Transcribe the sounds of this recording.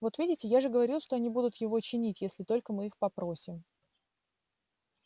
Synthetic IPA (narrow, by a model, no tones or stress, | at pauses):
vo̞t̪vʲidʲɪtʲɪjaʐɨɡəvɐɾʲilˠʂt̪o̞ɐnʲibud̪ʊt̪jɪvo̞t͡ɕɪnʲitʲjesʲlʲɪt̪o̞lʲkəmɨixpɐpɾo̞sʲɪm